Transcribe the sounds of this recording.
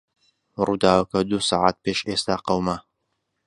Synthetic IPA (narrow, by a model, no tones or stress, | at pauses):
ruːd̪aːwɐkɐd̪usaʕa̰t̪̚peːʃʔeːst̪aːqɐwmɐ